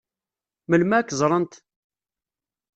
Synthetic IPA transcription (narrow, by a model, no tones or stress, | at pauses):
məlmækːzˤɾˤənt̪